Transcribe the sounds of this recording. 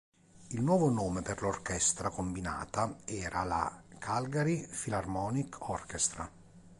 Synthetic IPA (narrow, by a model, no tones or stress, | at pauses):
ilnwɔːvonoːmeperlorkɛst̪ɾakombina̰ːt̪aɛːɾʔala̰kʰalɡaɾifilarmɔːnikɔrkest̪ɾa̰